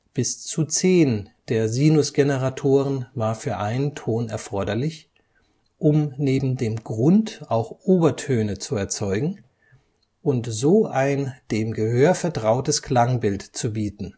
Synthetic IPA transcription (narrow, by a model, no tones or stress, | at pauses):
b̥ɪst͡sut͡seːnd̥eːɐziːnʊsɡ̥enəʁatʰoːʁənvaːɐfyːɐʔaɪnəntʰoːnɛ̰ɐfɔɐdɐlɪç | ʔʊmneːbm̩deːmɡʁʊntʔaʊxʔoːbɐtʰøːnət͡suɛɐt͡sɔʏɡŋ̩ | ʔʊntz̥oːʔaɪnd̥eːmɡəhøːɐfɛɐtʁ̥aʊtəskl̥aŋbɪltt͡subiːtn̩